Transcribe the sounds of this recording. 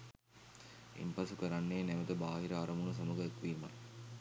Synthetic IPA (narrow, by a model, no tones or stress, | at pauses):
ḭmpasukəɾanːeːnæʋət̪əbaːɦiɾəaɾəmunəs̬aməɡəekʋiːma̰l